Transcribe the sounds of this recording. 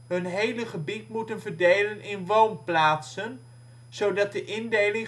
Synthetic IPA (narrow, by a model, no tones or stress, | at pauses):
ɦɵnɦejləχəbitmutənvərdejlənɪnʋownplaːtsən | z̥owdɑt̚dəʔɪndejlɪŋ